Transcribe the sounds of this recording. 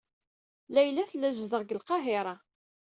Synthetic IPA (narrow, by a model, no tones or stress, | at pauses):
læjlæθlːæzðəʁɡəlqɑɦɪɾˤɑ